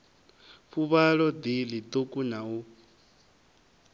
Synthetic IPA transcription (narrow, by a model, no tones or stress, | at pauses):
ɸuβaɺɔd̪ilit̪ʼukʼunau